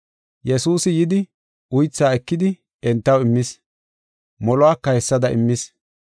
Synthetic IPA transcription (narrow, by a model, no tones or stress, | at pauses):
jɛsuːsɪjɪd̪ɪ | ʊjt͡sːaːɛkːɪd̪ɪ | ɛnt̪ːɐwɪmːɪs | mɔlɔaːkːɐhɛsːɐd̪ɐʔɪ̰mːɪs